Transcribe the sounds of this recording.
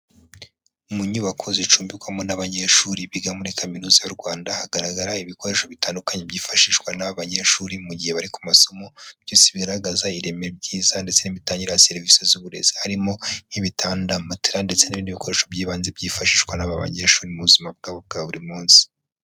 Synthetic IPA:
umuɲuβakʰo̞zit͡ʃuːmbikwamonaβaɲe̞ɾʃuɾiβiɡamunikaminuzajuɾɡwaːndahaɡaɾaɡaɾaiβiko̞ɾe̞ʃo̞βitaːndukaɲe̞bɟiːfaʃiʃwanaβaβaɲe̞ʃuɾimuɟiheβaɾiku̥maso̞mo̞b̥jiːnsiβiɡaɾaɡazaiɾe̞meɾebɟiːzande̞t͡se̞nimitaːɲɟiɾajase̞ɾvisezuβuɾe̞̰zihaɾimo̞nhiβitʰaːndamatiɾande̞t͡senaβiːndiβikʰo̞ɾe̞ʃo̞bɟiːβaːnzebɟiːfaʃiːʃwanaβaβa̰ɲeːɾʃuːɾimuβuzimab̚ɡaːβob̚ɡaːβuɾimuːnsi̥

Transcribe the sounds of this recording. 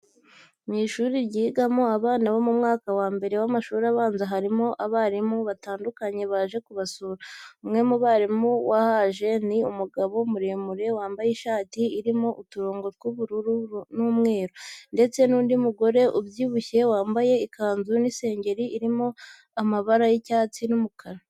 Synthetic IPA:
miːʃuɾiɾɟiːɡamo̞aβaːnaβo̞mumŋaːkawaːmbe̞ɾe̞wamaʃuːɾaβaːnzaɦaɾimo̞ʔaβaɾimoβataːndukaɲe̞βaːʒe̞kuβasuːɾaumŋe̞muβaɾimuwahaʒe̞niumuɡaβo̞muɾe̞ːmuɾe̞waːmbajiʃaːtiiɾimoʔutuɾo̞ːŋɡo̞tɡuβuɾuɾuunumŋe̞ːɾonde̞t͡se̞nuːndimuɡo̞ɾe̞ʔuβjiːβuçe̞waːmbaje̞ikaːnzunise̞ːɲɟe̞ɾiʔːɾimo̞ | amaβaɾajicaːt͡sinumukʰaɾa

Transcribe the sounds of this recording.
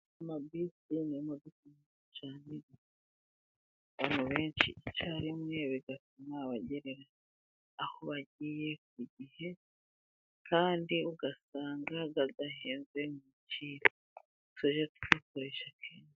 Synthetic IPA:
mabisinimud̪ukimuut͡ʃaːniɡe | βaːn̥huβe̞ːnt͡ʃḭt͡ʃaɾimŋe̞βiɡatumaβaɟe̞ɾeɾaː | hoβaɟiːje̞k̚iɟihe̞ | kʰaːndiuɡasaːŋɡaɡaɡaɦeːnze̞muciːɾo | tweʒatu̥kako̞ɾe̞ʃakʰeːnʃ

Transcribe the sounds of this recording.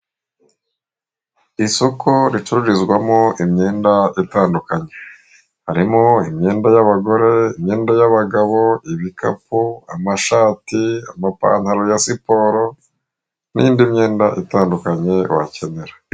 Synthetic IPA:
isokʰoɾit͡ʃuɾuɾizɡwamoʔimɲe̞ːndaitaːndukaɲe̞ | haɾimoimɲe̞ːndajaβaɡo̞ɾe̞imɲeːndajaβaɡaβo̞iβika̰puamaʃaːtiamapa̰ːnhaɾojasipo̞ːɾo̞ | nḭːndimɲe̞ːndaʔitaːndukaɲe̞wa̰ce̞ne̞ɾa

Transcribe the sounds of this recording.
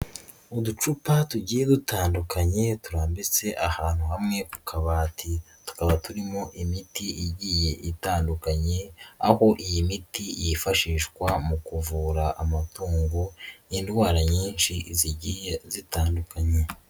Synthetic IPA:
udut͡ʃupatuɟiːje̞dutʰaːndukaɲe̞tuɾaːmbit͡se̞ʔahaːn̥huhamŋe̞ku̥kʰaβaːtʰi | tu̥kaβatuɾimo̞ʔimitiʔiɟije̞ʔitaːndukaɲe̞aho̞ʔijimitijifaʃiːʃkwamukuvuːɾaʔamatʰuːŋɡuindɡwaːɾaɲiːnʃiziɟiːjezitaːndukaɲe̞

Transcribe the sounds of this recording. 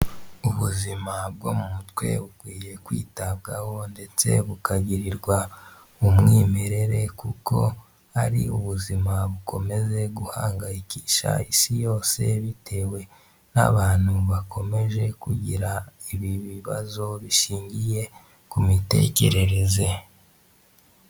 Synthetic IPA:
uβuzimab̚ɡo̞̰mumutwe̞̰βukwiːje̞kwḭːtaβɡaho̞nde̞t͡se̞̰βukaɟiɾiɾɡwa | umŋiːmeɾe̞ɾe̞kuko̞̰ | haɾḭuβuzimaβuko̞me̞ze̞ɡuhaːŋɡaiciːʃa̰isijo̞ːse̞βitʰe̞we̞ | na̰βaːn̥huβakʰo̞me̞ʒe̞kuɟiɾaiβiβiβa̰zo̞βiʃiːɲɟije̞ | kumite̞̰ce̞ɾe̞ɾe̞ze̞

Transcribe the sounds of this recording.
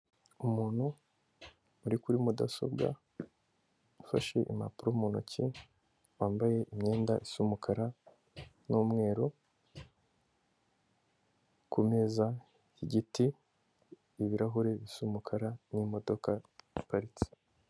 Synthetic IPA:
umuːn̥hu | ɾikuɾimuda̰so̞̰bɡa̰ | ufaʃe̞̰ʔḭma̰puɾomuno̰cʰi | waːmbaje̞ʔimɲe̞ːndaʔisumukʰaɾa | numŋe̞ːɾo | kume̞za | iɟiti | βiɾaɦoɾe̞βisumukʰaɾanimo̞do̞kaipaɾit͡si̥

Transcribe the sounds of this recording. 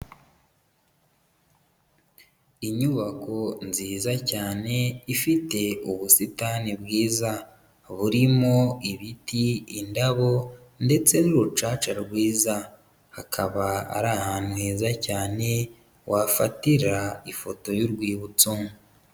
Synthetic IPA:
iɲuβako̞nziːzacaːne̞ifite̞uβusitanibɡiːza | βuɾimo̞iβitiindaβo̞ | nde̞t͡se̞nuɾut͡ʃaːt͡ʃaɾɡwiːza | hakʰaβaa̰ɾahanweːzacaːne̞ | wʔafa̰tiɾaifo̞to̞juɾɡwiːβut͡so

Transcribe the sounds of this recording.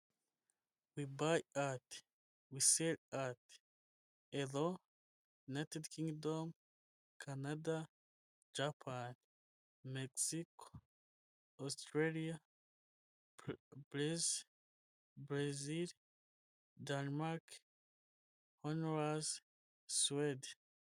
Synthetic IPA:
wibajat | wiselat | eðo | natadkiŋɡdom | kʰanada | d͡ʒapʰan | meksiko | ost̪ɾelia | bɾez | bɾazil | danmaɾk | honoɾaz | swed

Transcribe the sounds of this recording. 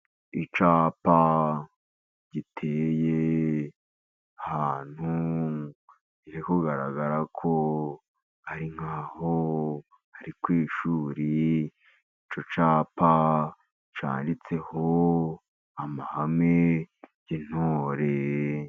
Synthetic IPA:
it͡ʃaːpa | ɟitʰeje | ahaːn̥hu | iɾikoɡaɾa̰ɡaɾakʰo | haɾiŋ̥haːho | haɾikwiːʃuːɾi | it͡ʃo̞t͡ʃaːpa | t͡ʃa̰ːndit͡se̞ho | amahameɟin̥oːɾe

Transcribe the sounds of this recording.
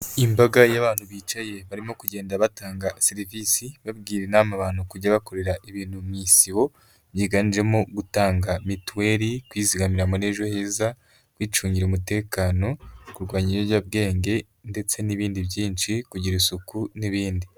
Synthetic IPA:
imbaɡajaβaːn̥huβiːt͡ʃaje̞βaɾimo̞kuɟe̞ːndaβataːŋɡaseɾivisiβabɡiːɾenamaβaːnukuɟaβako̞ɾe̞ɾaʔiβiːn̥humiːsiwo̞ | βjiːɡanid͡ʒe̞moɡutaːŋɡamitwe̞ːɾikwiːziɡamiɾamoneʒoheza | kwiːt͡ʃuːɲɟiɾeumute̞ːkaːno̞kuɾɡwaːɲiojabɡe̞ːŋɡe̞ | nde̞t͡se̞niβiːndiβjiːnʃikuɟiɾisukuniβiːndi

